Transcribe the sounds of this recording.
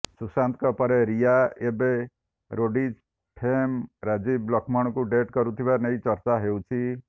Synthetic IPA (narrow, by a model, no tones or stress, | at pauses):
susant̪kɔpɔɾeɾijaebe | ɾoɖid͡ʒ | ʈʰemɾad͡ʒiblɔkʰmɔɽ̃ɔkuɖeʈkɔɾut̪ʰibanejt͡ʃɔɾt͡ʃaɦewt͡ʃʰi